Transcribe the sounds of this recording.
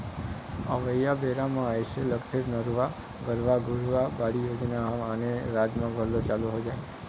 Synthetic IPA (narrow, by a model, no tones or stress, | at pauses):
əʋəjabeɾamãəjʃeləɡt̪ʰeɾnəɾʋa | ɡəɾʋaɡʱuɾʋabaɽijod͡ʒnaɦaəneɾad͡ʒmãbʱəlot͡ʃaluɦod͡ʒaj